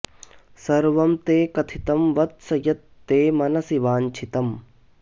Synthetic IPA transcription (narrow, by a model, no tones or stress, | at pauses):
sɐɾʋɐmt̪eːkɐt̪ʰit̪ɐmʋɐt̪̚sɐjɐt̪ːeːmɐnɐsiʋaːnt͡ʃʰit̪ɐm